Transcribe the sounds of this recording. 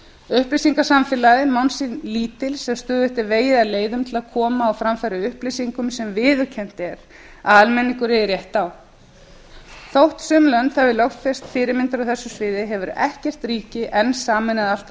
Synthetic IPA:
ʏhplejsiŋkḁsamfɪlaðɪmawnsinliːt̪ɪlsːɛmst̪œːðʏht̪ɪɾveːjɪðaleːjðʏmt̪ʰɪlaðkʰɔːmaːwfɾamfɛɾʏʏhplɪjsiŋkʏmsɛmvɪːðʏɾ̥cʰɛn̥t̪ɛɾ | aðalmɛnːiŋkʏɾɪrjɛht̪aw | θowht̪sʏmlœnt̪θavɪlɔwfɛst̪fɪːɾɪɾmɪnt̪ɾʏθɛsːʏsvɪːðɪɦɛvʏɾɛhcɛr̥t̪ɾiːcɪʔɛnːsaːmɛnaðal̥t̪

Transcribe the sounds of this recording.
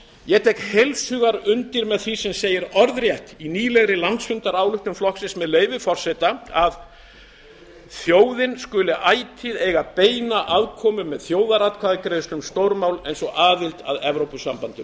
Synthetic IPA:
jɛt̪ʰɛkhelsʏɣaɾʏnt̪ɪɾmɛðθisɛmseːjɪɾɔɾðrjɛht̪iniːlɛɣɾɪlant̪sfʏnt̪aɾaːwlʏht̪ʏmflɔksɪnsmɛðleːjvɪfɔr̥sɛt̪aað | θjoːwðɪnskʏlɪʔaːjt̪ʰɪðeːɣapeːjnaʔaðkʰɔːmʏmɛðθjoːwðaɾat̪kʰaðɪkɾest̪ʏmst̪owɾmawlejnsɔɣaːðɪlt̪a̰ðɛvɾowpʏsampant̪ʏm

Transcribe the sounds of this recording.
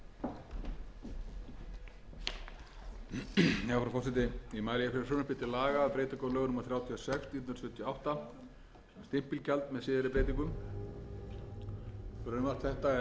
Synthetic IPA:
jɛafɾawfɔsɛt̪̬ɪimaːɾɪjɛfɪɾɪ̥sœːnʏpɪt̪ɪlaːɣaːðpɾeːjt̪ɪkɔwlœːɣnʏmaθɾjaːwt̪ʰiɔsɛkst̪it̪nɾ̥sʏt̪ʰːjɔawht̪a | st̪ɪm̥pilcɛlt̪mɛðsɪːðɪɾɪpɾejt̪̬iŋkʏm | kɾœmvḁt̪θɛht̪aɛ

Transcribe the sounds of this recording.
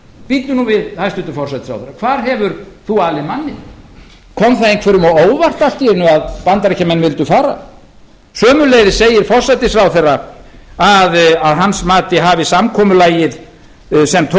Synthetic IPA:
piːt̪nʏnuvɪðhajst̪ʏnt̪ʏfɔr̥sat̪ɪsɾawθɛɾakʰvaːɾɦɛvʏɾθuaːlɪmanːɪ | kʰɔmθaejnkʰvɛɾʏmɔoːwvar̥t̪alt̪iɛnːʏaðpant̪aɾɛcamːɛnːvɪlt̪ʏfaːɾa̰ | sœːmʏleːjðɪseːjɪɾ̥fɔr̥sajt̪ɪsɾawθɛrːaaðaðɦansmaːt̪ɪɦaːvɪsamkʰɔːmʏlaːjɪð | sɛmt̪ʰ

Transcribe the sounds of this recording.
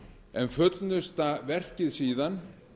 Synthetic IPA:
ɛnfœt̪nʏst̪avɛr̥cɪðsiːðan

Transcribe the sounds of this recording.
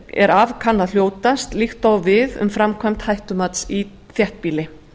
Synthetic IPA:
ɛ̰ɾavkʰanːaðljoːwt̪ast̪lixt̪awvɪðʏ̰mfɾamkʰvajm̥t̪hajht̪ʏmat̪si | θjɛht̪̚piːlɪ

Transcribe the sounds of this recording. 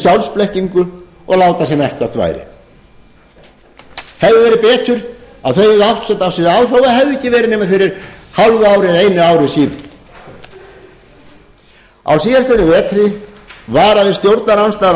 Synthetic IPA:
sjawlsplɛhciŋkʏ | ɔ̰ɣlaːwt̪asɛmɛhcɪawθʰva̰ːjɾɪ̰ | hɛvðɪvɛːɾɪpɛːt̪ʏɾ | aðθœɥvɛðawht̪sɛnt̪awsiðawrawvaɦɛvðɛcːɪvɛːɾɪneːmafɪɾɪɾ̥halvʏaːwɾɪejnɪaːwɾɪsiːnɪn | a̰wsiːðast̪ɪnʏvɛːt̪ɾɪ | vaːɾaðɪ̥st̪jowɾt̪naɾawnst̪a

